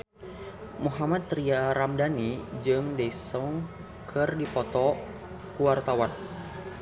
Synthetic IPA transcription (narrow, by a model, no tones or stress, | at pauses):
muɦamat̪̚ːɾiaɾamdanid͡ʒɨŋdɛisɔŋ | kʰɨrdipɔt̪ɔ | kuwart̪awan